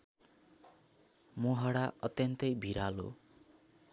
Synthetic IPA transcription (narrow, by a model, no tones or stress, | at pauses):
moɦaɽaʌt̪jʌnt̪ʌjbʱiɾalo̰